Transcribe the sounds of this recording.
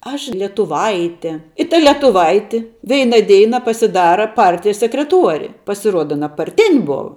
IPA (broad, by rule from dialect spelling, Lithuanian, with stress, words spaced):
ˈɐʃ lʲiɛtʊˈʋɐɪtʲeː ɪ tɐ lʲiɛtʊˈʋɐɪtʲɪ ˈʋʲɛɪnɐ ˈdʲɛɪnɐ pɐsʲɪˈdɑːrɐ ˈpɐrʲtʲɪjɛs sʲɛkrʲɛˈtuɔrʲɪ pɐsʲɪˈruɔdɐ ɐˈnɐ pɐrʲˈtʲɪnʲ ˈboːʋɐ